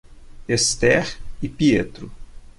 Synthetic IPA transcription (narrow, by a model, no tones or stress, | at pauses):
est̪ɛɾipiet̪ɾʊ